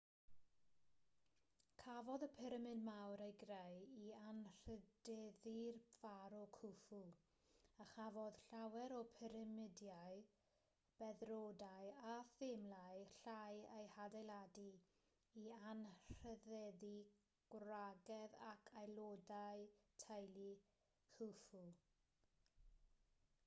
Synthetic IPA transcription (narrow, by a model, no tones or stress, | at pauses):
kʰavɔðəpʰɛɾəmɨnmawɾejɡrejianr̥ədɛðirv̥aɾɔkʰʊfu | əχavɔð̥ɬawɛɾɔpʰɛɾəmɪdjaɨ | b̥ɛðrodajaθɪmlajɬajejhadajlˠadi | ianr̥əðɛði | ɡ̥wraɡɛðakʰajlˠodajtʰajli | kʰʊfu